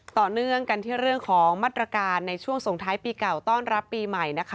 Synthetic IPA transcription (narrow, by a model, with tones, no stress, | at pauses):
t̪ɔː˨˩nɯ˥˩əŋka˧nt̪ʰiː˥˩ɾɯ˥˩əŋkʰɔː˩˦ŋmaː˥˩t̪ɾa˧kaː˧nːa˧jt͡ɕʰu˥˩əŋso˨˩˦ŋt̪ʰaː˦˥jpiː˧ka˨˩wt̪ɔː˥˩nɾa˦˥pːiː˧ma˨˩jna˦˥kʰa˦˥